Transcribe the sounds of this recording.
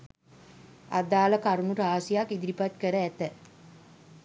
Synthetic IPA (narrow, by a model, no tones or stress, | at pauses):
a̰d̪aːləkaɾunuɾaːsijakid̪iɾipat̪kəɾəæt̪ə